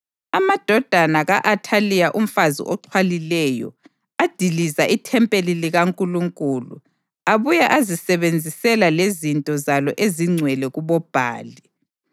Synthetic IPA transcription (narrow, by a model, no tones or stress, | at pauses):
amad̥ʱɔd̥ʱanaɣaʔatʰalijaʔum̩fazḭʔɔǃʰwalilɛjɔ̰ | ad̥ʱilizaʔitʰɛmpʼeliliɣaŋkʼuluŋkʼulṵ | aβujaʔazisɛβend͡zʱisɛlalezintʼɔzalɔʔeziŋ͡ǀʱwɛlɛɣuβɔb̥ʱa̰ːli